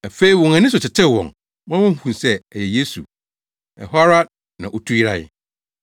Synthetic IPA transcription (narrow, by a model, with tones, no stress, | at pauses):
æ˨fe˦i˦wɔ̃˨ŋã˨nɪ̃˦sʊ˨t͡ɕʰɪ˨tʰɛ˦˨wɔ̰̃˨ŋ | m˦ã˦ʊ̃˦hu˨hũ˨nsɛ˦ɛ˨jɛ˨je˦sṵ˨ | ɛ˨ɦɔ˦ɾa˦ | nã˨ʔo˨tʰu˦ji˦ɾa˦ɪ̰˨